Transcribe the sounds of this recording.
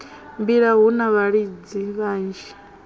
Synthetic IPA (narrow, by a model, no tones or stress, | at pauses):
mbiɺaɦunaβaɺid͡ziβaːnd͡ʒi